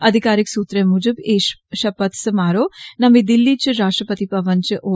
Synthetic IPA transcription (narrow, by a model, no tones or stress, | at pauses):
ɐd̪ʱikaːɾɪksuːt̪ɾemud͡ʒəbeːʃʃɐpɐt̪ʰsmaːɾoːnɐmĩd̪ɪlːit͡ʃɾaːʃʈɾəpət̪ipɐʋənt͡ʃiʔoː